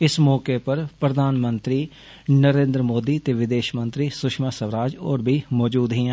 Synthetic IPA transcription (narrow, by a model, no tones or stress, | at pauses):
ɪsmɔːkepəɾpɾəd̪ʱaːnmə̃nt̪ɾiː | nəɾẽːnd̪ɾəmoːd̪iːt̪eːʋɪd̪eːʃmə̃nt̪ɾiːsʊʃmaːsəʋɾaːd͡ʒɔːɾbʱiːmɔːd͡ʒuːd̪ɦĩːɛ̃